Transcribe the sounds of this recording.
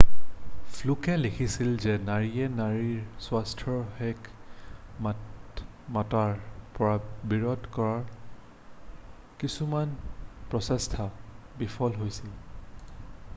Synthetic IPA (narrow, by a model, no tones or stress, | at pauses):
fʰlukɛlekʰisilzɛnaɹiɛnaɹiɹswastʰɹɔɹhɛk | mataɹpɔɹabiɹɔdkɔɹaɹ | kisumanpɹɔsɛstʰabifʰɔlɦojsil